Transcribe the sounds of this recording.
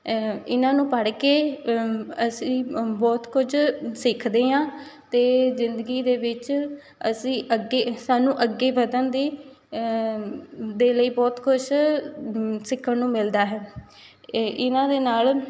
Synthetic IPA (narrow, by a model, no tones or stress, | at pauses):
ɪnãːnũːpəɽkeː | əsĩːbɔːt̪kʊt͡ʃʰsɪkʰd̪eːɦãːt̪eːzɪnd̪əɡiːd̪eːʋɪt͡ʃ | ə̰sĩːʔəɡeːsaːnũːʔəɡːeːʋəd̪ənd̪iː | d̪eːləiːbɔːt̪kʊt͡ʃʰ | sɪkʰːənnũːmɪld̪aːɦɛː | ɪnãːd̪eːnaːl